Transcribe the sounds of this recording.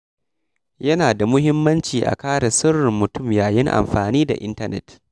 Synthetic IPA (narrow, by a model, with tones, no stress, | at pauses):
jɐ˦naː˨da˨mʊ˦ɦɪ˦mːɐ˦nt͡ʃiː˨ʔa̰˨kaː˦ɽɐ˨sʊ˦rɪ˨mːʊ˨tʊ˦˨mjaː˨jɪ˦ŋʔa̰˨mɸaː˨niː˦da̰˨ʔɪ̰˦ntɐ˦nɛ̰˦˨t